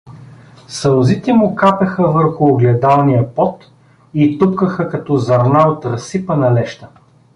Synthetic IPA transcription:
sɐlˠzit̪ɛmʊkapɛxəvəɾxʊːɡlɛd̪alˠnijəpɔt̪ | it̪upkəxəkɐt̪ɔzɐɾnaot̪ɾɐsipənɐlɛʃt̪ə

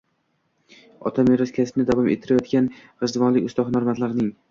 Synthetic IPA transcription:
ɒ̰t̪ʰameɾɒskʲʰaspnɪd̪avɒmḛt̪ʰːɪɾajɒt̪kʲanɾɨzd̪vɒnlɪkʲʊst̪ɒχnaɾmat̪laɾnɪŋ

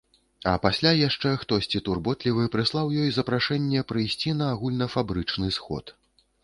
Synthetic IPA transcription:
ɐpasʲlʲajaʂt͡ʂɛxt̪ɔsʲt͡sʲit̪urbɔt̪lʲivɨpɾɨslˠawjɔjzɐpɾaʂɛnʲːɛpɾɨjsʲt͡sʲinɐːɣulʲnɐfabɾɨt͡ʂnɨsxɔ̰t̪

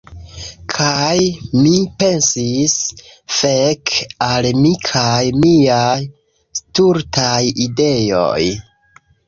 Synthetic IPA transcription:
kʰajmipe̞nsis | fekalmikʰajmiaj | stuɾtʰajide̞jo̞̰j

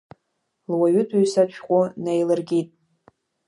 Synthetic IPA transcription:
lwaɥʊtʰuɥsat͡ʃʷʰqʷʼʊnejlɨrɡʲitʼ

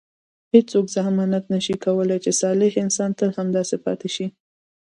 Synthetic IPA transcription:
hed͡ʒt͡sokzahmɑnat̪nəʃikawəlajt͡ʃesɑlɪhɪnsɑnt̪əlhamd̪ɑsepɑ̰t̪eʃi

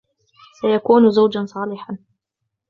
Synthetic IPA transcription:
sajakuːnʊzawd͡ʒansˤɑːlɪħan

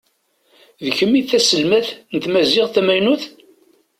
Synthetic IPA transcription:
ðəçəmːiθæsəlmæθnət̪mæzɪʁθæmæjnuθ

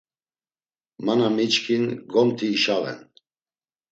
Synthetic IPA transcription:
manamit͡ʃkʰinɡɔmt̪ʰiːʃaʁɛ̰n

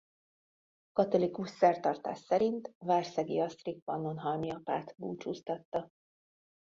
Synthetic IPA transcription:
kɒt̪o̞likuʃsɛrt̪ɒrt̪a̰ːʃsɛɾint̪vaːrsɛɡḭɒst̪rik̚pɒnːo̞nɦɒlmiɒpa̰ːt̪buːt͡ʃust̪ɒt̪ːɒ

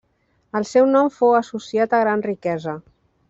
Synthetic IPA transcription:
əlˠsɛwnɔmfowəsusiat̪əɣɾanrikɛzə

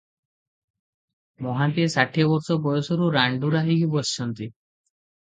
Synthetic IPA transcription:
mɔɦat̪iesaʈʰiɔbɔɾsɔpɔjɔsɔɾuɾaɳɖuɾaɦiɡibɔsi̥t͡ʃʰɔnt̪i

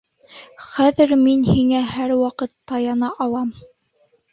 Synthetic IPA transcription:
χæðɘɾminhiŋæhæɾwɑqɤt̪ːɑjɑnɑʔɑlˠɑm

